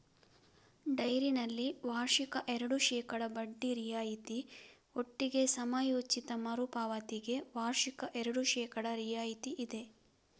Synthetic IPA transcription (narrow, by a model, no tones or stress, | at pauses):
ɖɐjɾinɐlːiʋaːɾʂikɐʔɛɾɐɽuʃɛːkɐɽɐbɐɖːiɾijaːjit̪i | oʈːiɡe̞sɐmaːjoːt͡ʃit̪ɐmɐɾupaːʋɐt̪iɡe̞ʋaːɾʂikɐʔɛɾɐɽuʃɛːkɐɽɐɾijaːjit̪iʔid̪e̞